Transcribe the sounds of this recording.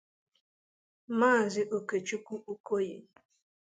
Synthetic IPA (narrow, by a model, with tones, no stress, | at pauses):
maː˦˨zɪ˦ʔo˨ke˨t͡ʃu˦kʷu˦ʔu˦ko˦jḛ˨